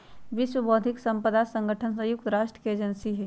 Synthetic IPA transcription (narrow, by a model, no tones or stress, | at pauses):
ʋɪswəboːd̪ʱɪksɐ̃mpəd̪asə̃ŋɡʱəʈʰənsəjʊk̚t̪ɾaːʃʈɾəkeːd͡ʒənsiɦɛ